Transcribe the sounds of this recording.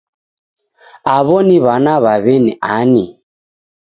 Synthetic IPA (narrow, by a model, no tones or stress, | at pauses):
aβɔniβanaβaβɛniʔani